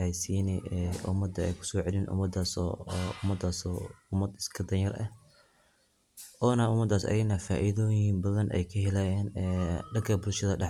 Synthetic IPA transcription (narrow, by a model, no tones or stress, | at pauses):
ajsiːnɛɛʔʊmɐd̪ːɐɛjkʰʊ̥sɔːʕɛlɪnʔʊ̰mɐd̪aːsɔ̰ʊmɐd̪ːaːsɔːʊmɐd̪ɪ̥skʰɐd̪ɐnjɐrʔɐ̰h | ʔɔːnɐʊmɐd̪ːaːsɐ̰jɪnɐfaːʔiðɔːjnbɐðɐnʔɛ̰jkʰɐɦɛlaːjɛːnɛɖɐkʰɐbʊlʃɐðɐɖɑħ